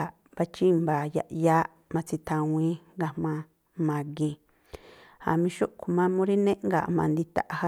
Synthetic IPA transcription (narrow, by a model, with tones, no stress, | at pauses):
a˨ | ba˧t͡ʃi˦mbaː˨ja̰˧˨ʔja˦ʔ | mã˧t͡si˧t̪ʰã˧wĩ˦ŋɡa˧mmã˧ | mã˨ɡe˧ | ha̰˨mĩ˧ʃo˦ʔku˨mã˧mũ˦ɾi˦nẽ˦ʔŋɡa̰˨mã˨˧˨nd̪i˧t̪a̰˧˨ʔha˦